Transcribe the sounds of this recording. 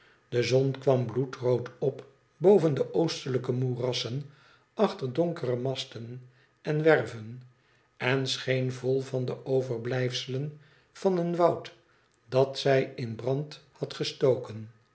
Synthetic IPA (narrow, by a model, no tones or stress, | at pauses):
d̥əzɔnkʋɑmblutrowtɔp | bowvəndəʔowstələkəmurɑsən | ɑχtəɹdoŋkərəmɑstən | ɛnʋɛrvən | ɛnsχejnvolˠvɑndəʔowvəɹblɛjfsələn | v̥ɑnənʋɑwt | d̥ɑtsɛjɪnbrɑnthɑtχəstowkən